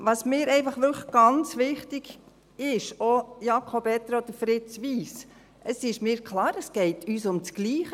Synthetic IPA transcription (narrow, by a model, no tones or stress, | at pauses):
ʋɑsmɪːɾɛɪfɑχʋʏləɡ̥ɑnt͡sʋɪχtɪɡ̥ | ɪʃojɑkʰobɛt̪ɾod̥̪əfɾɪt͡sʋiːs | ʔəsɪʃmɪːɾkʰlɑːɾəsɡ̥ɛɪtʰyːsʊmt͡sɡ̥liːχə